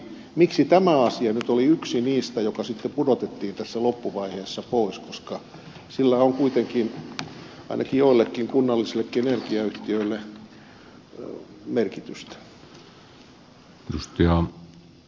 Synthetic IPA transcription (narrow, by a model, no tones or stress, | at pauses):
miksit̪æmæɑsiɑnyt̪oliyksiniːst̪æjokɑsit̪ːepudot̪et̪ːiːnt̪æsːælopːuʋɑiheːsːɑpoˑiskoskɑ | silːæoŋkuit̪eŋkin | ɑ̰inɑkijoilːekːiŋkunːɑlːiselːˑekːienerkiɑyht̪iøilːe | merkit̪yst̪æ̥ | edust̪ɑɑ